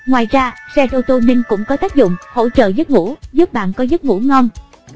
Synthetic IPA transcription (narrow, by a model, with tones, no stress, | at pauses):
ŋwaː˨˩jzaː˧sɛ˧t̪o˧wt̪o˧nï˧ŋ̟kʊ̰˧˥ŋ͡mkɔ˨˦t̪aː˦˥k̚zʊ̰˧˨ŋ͡mho̰˧˥t͡ɕə̰ː˧˨zə˦˥t̚ŋṵ˧˥zu˦˥p̚ɓa̰ː˧˨nkɔ˨˦zə˦˥t̚ŋṵ˧˥ŋɔ˧m